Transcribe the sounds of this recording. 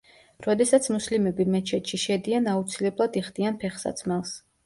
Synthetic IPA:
ɾɔd̪ɛsat̪sʰmuslimɛbimɛt͡ʃʰɛt̪ʃiʃɛd̪ianaut̪sʰilɛblˠad̪iχd̪ianpʰɛχsa̰t̪sʰmɛlˠs

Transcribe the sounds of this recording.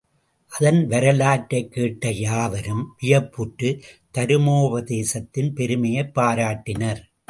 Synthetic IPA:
ʔɐðɐnʋɐɾɐlaːʈːɐɪkːeːʈːɐjaːʋɐɾɯmpɪjɐpːʊʈːɯt̪ɐɾɯmoːʋɐðeːsɐt̪ːɪnpɛɾɯmɐjɐɪpːaːɾaːʈːɪnɐɾ

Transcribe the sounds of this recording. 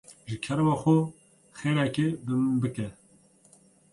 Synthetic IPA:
ʒɨkʰɛɾmaxo | xeːɾɛkebɨmbɨkɛ

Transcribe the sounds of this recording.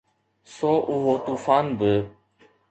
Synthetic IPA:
soːʔʊɦoːt̪uːfaːnbə

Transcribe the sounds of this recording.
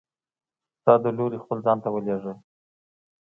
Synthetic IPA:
t̪ɑd̪əloɾixpəlzɑnt̪awəleʐə

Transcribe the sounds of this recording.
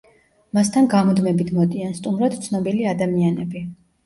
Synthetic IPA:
mast̪ʰanɡamɔd̪mɛbit̪ʰmɔd̪ianst̪ʼumɾad̪̥t̪sʰnɔbiliad̪amianɛbi

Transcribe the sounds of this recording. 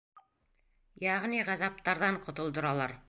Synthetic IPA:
jæʁniʁæzɑp̚t̪ɑɾðɑɴqŏt̪ŏlˠd̪ɤ̆ɾɑlˠɑɾ

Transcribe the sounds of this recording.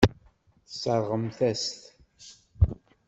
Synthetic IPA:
θə̥səɾˤʁəmθæst̪

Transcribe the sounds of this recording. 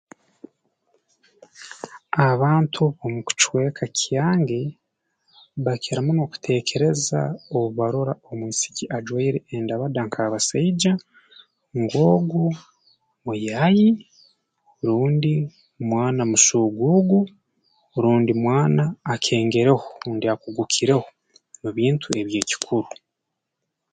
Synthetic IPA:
aβaːntʰuβomuku̥t͡ʃwe̞ːkʰacʰjaːŋɡe̞ | βakʰeɾamunoku̥tʰe̞ːkʰe̞ɾe̞za̰oβuβaɾoɾao̞munisi̥ciʔad͡ʒwaiɾeʔːndaβadaŋkʰaβasaid͡ʒa | ŋɡo̞ːɡu | mujaji | ɾuːndi | mwaːnamusuːɡuɡu | ɾuːndimwaːnaːkʰe̞ːŋɡe̞ɾe̞houːndiakuɡukʰiɾe̞ho | muβiːntʰue̞βje̞ːci̥kʰuɾu

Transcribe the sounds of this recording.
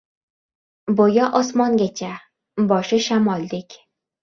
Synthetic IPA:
bojaʔɒsmɒŋɡʲat͡ʃʰa | bɒʃɪʃamɒlˠːɪkʲ

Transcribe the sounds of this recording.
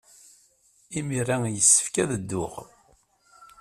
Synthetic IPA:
imirajəsːə̥fkæðəd̪ːʊʁ

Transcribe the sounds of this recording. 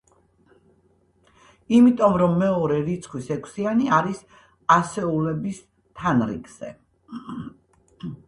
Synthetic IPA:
imit̪ʼɔmɾɔmːɛɔɾɛɾit̪sʰχʰwisɛkʰsianiaɾis | asɛulɛbis | t̪ʰanɾḭɡz̥ɛ̰

